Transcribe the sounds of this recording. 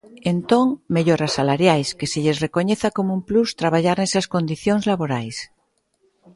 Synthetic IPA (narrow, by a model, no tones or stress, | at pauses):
ent̪oŋmeʎoɾasalaɾjajskeseʎe̞zre̞ko̞ɲeθako̞moumplust̪ɾaβ̞aʎaɾnesasko̞nd̪iθjoŋzlaβoɾajs